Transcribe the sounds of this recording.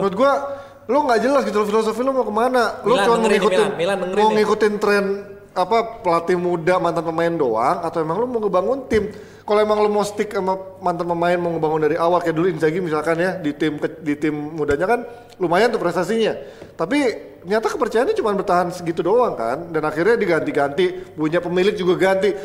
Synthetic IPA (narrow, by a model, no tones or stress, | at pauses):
ɾʊt̪̚ɡua | lʊŋɡaʔd͡ʒəlasɡit̪ulofilos̬ofilumakəmanalʊt͡ʃuanmŋikuɪnəŋmaŋikut̪ɪnt̪ɾɛn | apapəlat̪imudamant̪anpəmaɪndoaŋat̪awemaŋlʊmaŋəbaŋʊnt̪ɪm | kaloemaŋlʊmost̪ɪkamamant̪anpəmaɪnmŋəbaŋʊndaɾiawalkajaduluinsaɡimisalkanjadit̪ɪmkədit̪ɪmːudaɲakan | lumajant̪upɾɛst̪asiɲat̪ap̬i | ɲat̪akəpərt͡ʃajanɲat͡ʃumanbərt̪aɦansəɡit̪udoaŋka̰ndanaxirɲadiɡant̪iɡant̪ipuɲapəmilɪk̚d͡ʒuɡaɡant̪i